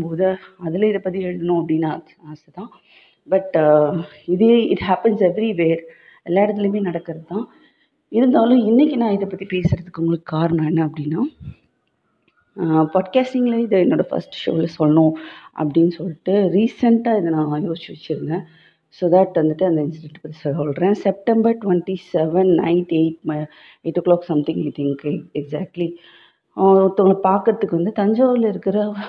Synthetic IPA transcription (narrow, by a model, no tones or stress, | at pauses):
mboːðɯɐðɪlɐɪðɐpːɐt̪̬ːiɛɻɯðɐnʊ̃ɐp̬ɐɽɪnːa | aːsɐt̪ːãː | bɐʈ | ɪðeɪʈhæːpɛnsɛʋɾiʋeːɾ | ɛlːaːɪɾɐt̪̬ːɪlemeːnɐɽɐkːɯɾɐðɯt̪ãː | ɪɾɯnd̪aːlʊ̃ɪnːɛkʲːinãːɪðɐpːɐt̪ːipeːsɪɾɐðɯkːʊŋɡɐɭɯkːɯkːaːɾɐɳɐ̃ɛnːɐɐpːɐɽɪnːaː | paːɖkaːsʈɪŋɡɐlɐɪðɐɪnoːɽɐfɐ̰ɾsʈʃo̰ːlɐsɔlːɐnʊ̃ʔɐ̰pːɐɽɪnːɯsɔlːɪʈːɯɾiːsɐɳʈaːɪðɐnãːjoːst͡ʃːɪʋɐt͡ʃːɪɾɯnd̪ɛ̃ː | soːd̪æʈʋɐnd̪ɯʈːɯɐnd̪ɐɪnsɪɖɛɳʈpɐt̪ːisɔɔɭɾẽːsɛp̚ʈɛmbɐɾʈʊʋɛnʈisɛʋɛnːɐ̰ɪʈeɪʈ | eːʈːklɔːksɐmt̪ɪ̃ŋɐɪt̪ʰɪŋkɛɡzæːk̚ʈli | t̪ɔŋɡɐɭpaːɾkɐɾɐt̪ːɯkːɯʋɐnd̪ɯt̪ɐɲd͡ʒaːʋɪlɐɪɾɯkːɪɾɐ